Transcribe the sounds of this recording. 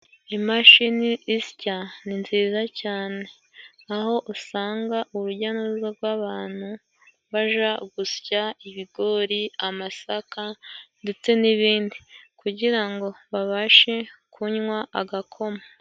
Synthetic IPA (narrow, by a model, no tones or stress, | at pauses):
imaʃiniʔːscaninziːzacaːne̞ | aɦo̞ʔusaːŋɡaʔuβuɟanuzaɡɡwaːβaːn̥hu | βaʒaɡuscaiβiɡo̞ɾiamasakande̞t͡se̞niβiːndikuɟiɾaŋɡo̞βaβaʃe̞kʰuɲŋwaʔaɡakʰo̞ma